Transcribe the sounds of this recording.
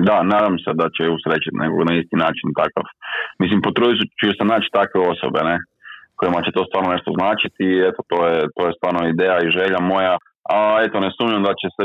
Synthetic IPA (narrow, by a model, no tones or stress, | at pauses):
d̪anaːd̪amsed̪at͡ɕeusɾet͡ʃit̪nʔeko̰ɡnaist̪inaːt͡ʃint̪aka̰fmislimpot̪ɾo̞it̪ut͡ʃusenaːt͡ʃi̥t̪akʋeo̞so̰bene | koimat͡ɕet̪o̞st̪ʋaːɾnone̞ʃt̪o̞znaːt͡ʃit̪iet̪ot̪o̞ːjet̪o̞ːje̞st̪ʋaːɾnoid̪eːjaiʒe̞ʎamo̞ja | ae̞t̪onesuːmɲamd̪at͡ɕese